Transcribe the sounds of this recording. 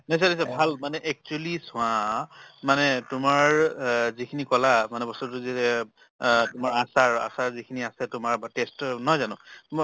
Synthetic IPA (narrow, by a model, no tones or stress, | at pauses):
nas̬anis̬abʱalmanɛʔɛk̚t͡ʃuɛlisʊ̃ãmanɛtʊmaɹzikʰinikɔlamanɛbɔstɔt̬ʊzitɛ | tʊmaɹasaɹa̰saɹzikʰiniasɛtʊmaɹbatestnɔjzanʊ̃tma